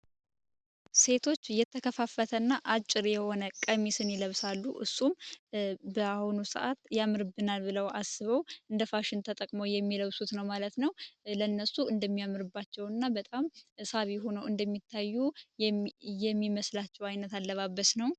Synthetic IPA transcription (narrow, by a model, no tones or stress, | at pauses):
se̞t̪ʰo̞t͡ʃːjɛt̪ʰːəkʰəfafːət̪ʰənːaʔat͡ʃʼːɪɾjɛho̞nəkʼəmisɨniləβsalːuʔɨ̰sːum | bəahunusɨ̰ʔat̪jamːɨɾɨbːɨnalbɨləwʔasːɨβəwʔɨnd̪əfaʃɪnt̪ʰət̪ʼəkʼmowjɛmːiləwsut̪nəwmalət̪nəwlənːəsuɨnd̪əmːijamːɨɾɨbːat͡ʃːɛwnːabət̪ʼamɨsaβiɦo̞nəwɨnd̪əmːit̪ʰːajːu | jɛmːiməslat͡ʃːɛwajnət̪alːəβabːəsnəw